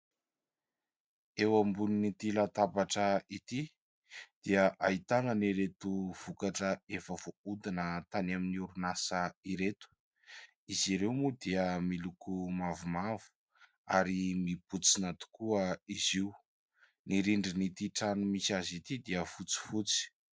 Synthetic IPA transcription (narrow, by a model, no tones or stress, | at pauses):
ewambuninit̪ilat̪abaʈ͡ʂəit̪i | d̪̥iəʔait̪anəniɾet̪uv̥ukaʈ͡ʂəefəv̥oud̪inət̪anaminiuɾunasəiɾet̪u̥ | iziɾewmud̪iəmilukumavumavu̥ | aɾimib̥ut͡sinat̪u̥kuəiziu | niɾiɳɖ͡ʐinit̪iʈ͡ʂanumisazit̪id̪iəfut͡si̥fut͡si̥